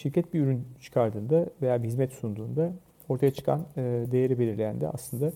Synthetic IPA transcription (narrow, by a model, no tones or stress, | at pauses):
ʃiɾcɛt̪̚biyɾynt͡ʃʰɯ̥kʰaɾd̪ɯːnd̪ave̞jaːbiɦizmɛt̪sund̪uːnd̪a | o̞ɾt̪ʰajat͡ʃʰɯ̥kʰa̰nɯd̪e̞jeɾibelʲiɾlʲejænd̪ɛ̰a̰slˠɯnd̪a